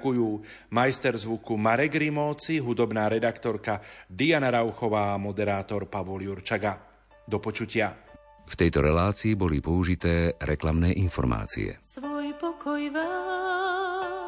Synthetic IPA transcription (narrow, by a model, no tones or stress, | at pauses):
kujuː | majst̪ɛɾzʋukumaɾɛɡɾimɔːt͡siɦud̪ɔbnaːɾɛd̪akt̪ɔɾkad̪ianaɾaʊxɔʋaːmɔd̪ɛɾaːt̪ɔɾpaʋɔljuɾt͡ʃaɡa | d̪ɔpɔt͡ʃucɪa | ft̪ɛjt̪ɔɾɛlaːt͡siːbɔlipɔuʒit̪ɛːɾɛklamnɛːʔinfɔ̰ɾma̰ːt͡sḭɛ̰sʋɔjpɔkɔjʋa